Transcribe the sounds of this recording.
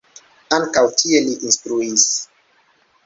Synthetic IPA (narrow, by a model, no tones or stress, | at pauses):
aŋkawtʰieliʔinstɾuis